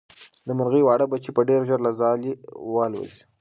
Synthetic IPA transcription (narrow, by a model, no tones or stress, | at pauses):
d̪əmaɾɣəjwɑɽəbat͡ʃipəɖeɾʒaɾlazɑliwɑlwa̰zi̥